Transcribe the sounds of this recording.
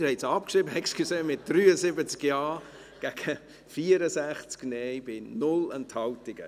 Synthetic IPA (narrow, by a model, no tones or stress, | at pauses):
hɛɪtsɑpkʃribəɛkskʰuseːmɪt̚d̥ryːəzɪbət͡skjɑː | ɡ̥æɡ̥ə | fiːəɾəsæχt͡sknɛjbɪnʊlənthɑltɪɡ̥ə̰